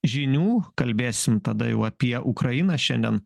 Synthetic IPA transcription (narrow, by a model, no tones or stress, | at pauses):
ʒʲɪnʲuːkɐlʲbʲeːsʲɪmt̪ɐd̪ɐ̰jɛʊɐpʲiɛʔʊkɾɐjɪnɑʃʲɛnʲd̪ʲɛn